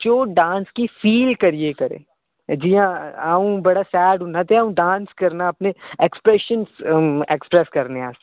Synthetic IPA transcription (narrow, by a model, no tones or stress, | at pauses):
d͡ʒoːɖãːnskifiːlkɐɾiekɐɾḛː | d͡ʒijãaːũbɐɽasɛːɖʊnat̪eaːũɖãːnskɐɾnaɐpneekspɾɛːʃənsekspɾɛskɐɾneaːs